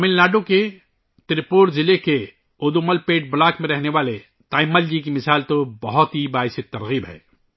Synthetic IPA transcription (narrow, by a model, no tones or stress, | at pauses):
mɪlnaːɖoke | t̪ɾɪpoːɾzɪleke | ʊːd̪uməlpeːʈ̚blaːkmẽɾɛɦneʋaːle | t̪aːɪmːəld͡ʒik̬imɪsaːlt̪obɐɦʊt̪ɦibaːɦɪset̪ɐɾɣiːbɦɛ̰ː